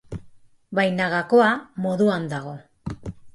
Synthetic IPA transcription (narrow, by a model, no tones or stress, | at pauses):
bajnaɣako̞amo̞ðuand̪aɣ̞o̞